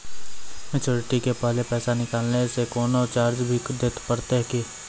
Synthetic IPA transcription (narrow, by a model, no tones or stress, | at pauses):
mɪt͡ʃoːɾɪʈikepəɦlepɛːsanɪkaːlnesekɔːnɔːɾt͡ʃaːɾd͡ʒbʱid̪eːt̪pəɾt̪eɦki